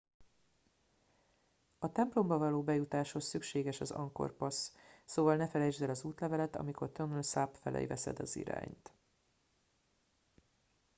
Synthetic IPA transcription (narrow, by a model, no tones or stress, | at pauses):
ɒt̪ɛmplo̞mbɒvɒloːbɛjut̪aːʃho̞sːykʃeːɡɛʃɒzɒ̰ŋko̞̰rpɒssoːvɒlnɛfɛlɛjd͡ʒd̪ɛlɒzuːt̪lɛvɛlɛt̪ɒ̰miko̞rt̪onəlsapfɛlɛ̰jvɛsɛ̰d̪ɒ̰zḭɾa̰ːɲt̪